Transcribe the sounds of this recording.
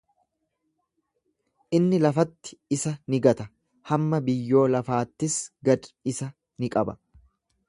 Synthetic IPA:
ʔɪnːɪlɐfɐt̪ːɪ̥ɪsɐnɪɡɐt̪ɐ | hɐmːɐbɪjːo̞ːlɐfaːt̪ːɪsɡɐd̪ɪsɐ | nɪkʼɐbɐ

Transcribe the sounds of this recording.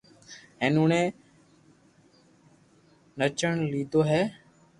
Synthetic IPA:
ẽːnũːɳẽː | nət͡ʃəɳliːd̪ʱoːɦɛː

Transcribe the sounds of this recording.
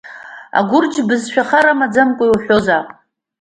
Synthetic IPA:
a̰ɡʷʊrd͡ʒbɨzʃᶣaχaɾamad͡zamkʷʼʊjwħʲᶣozapʼ

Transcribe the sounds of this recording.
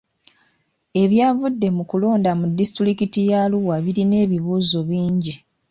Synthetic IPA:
e̞βjaːvudːe̞mukulo̞ːndamudːistɾikitijaluwaβiɾine̞ːβiβuːzo̞βiːɲɟi

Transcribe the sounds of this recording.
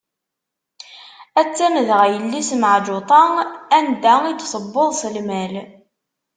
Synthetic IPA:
æt͡sːæməðʁæjəlːisməʕd͡ʒʊt̪ˤɑænd̪æid̪sˤəbːoðˤsəlmæl

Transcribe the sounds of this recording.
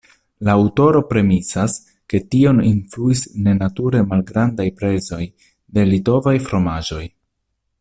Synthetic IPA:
laːwto̞ɾo̞pɾe̞misas | ke̞tio̞ninfluisne̞natuɾe̞malɡɾandajpɾe̞zo̞j | de̞lito̞vajfɾo̞maʒo̞j

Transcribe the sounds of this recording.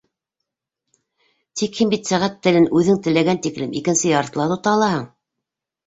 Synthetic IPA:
t̪ikhimbit̪sæʁæt̪ːɘ̆lɘnʉðɘŋt̪ɘ̆læɡænt̪iklɘmikɘ̆nsɘjɑɾ̆t̪lˠɑɾt̪ŏt̪ɑlˠɑhɤɴ

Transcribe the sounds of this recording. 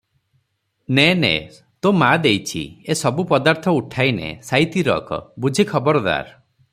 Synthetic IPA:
nenḛ | t̪omad̪ejt͡ʃʰḭesɔbupɔd̪aɾt̪ʰɔuʈʰajnḛsajt̪iɾɔ̰kɔ̰bud͡ʒʱikʰɔbɔɾɔd̪a̰ɾ

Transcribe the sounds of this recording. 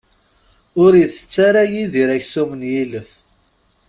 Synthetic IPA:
ʊɾjiθə̥t͡sːaɾajiðiɾæçsumənjiləf

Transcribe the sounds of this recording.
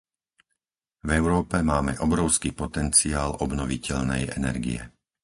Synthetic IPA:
vɛʊɾɔːpɛmaːmɛʔɔbɾɔʊskiːpɔt̪ɛnt͡siaːlɔbnɔʋicɛʎnɛ̰jɛnɛ̰ɾɡḭjɛ̰

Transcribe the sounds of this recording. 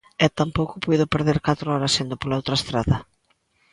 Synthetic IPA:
ɛt̪ampowkʊpujðʊpeɾðeɾkat̪ɾʊɔɾɐsend̪opolaowt̪ɾɐest̪ɾaðɐ

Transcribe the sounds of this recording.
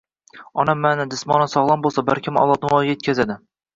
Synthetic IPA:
ɒnamːanad̪ɪsmɒnɪnsɒʁlˠɒnbolˠsabaɾkʲʰɪmɒ̰lˠɒt̪nɪvɒjɡʲajet̪̚ʲkʰʲazad̪ɪ

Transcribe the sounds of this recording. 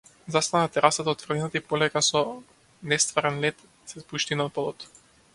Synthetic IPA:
zast̪anat̪ɛɾʔasat̪aɔt̪vfr̩d̪ɛnat̪aipɔlɛkasɔ | nɛst̪vaɾɛnlɛt̪ | sɛspuʃt̪inapɔlˠɔt̪

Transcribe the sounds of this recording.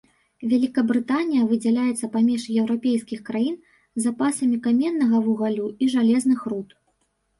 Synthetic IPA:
vʲalʲikɐbɾɨt̪anʲijɐvɨd͡zʲɛlʲajɛt̪sːɐpamʲɛʂjɛwɾapʲejskʲixkɾajin | zapasɐmʲikamʲɛnːɐɣɐvuɣalʲuiʐalʲɛznɨxrut̪

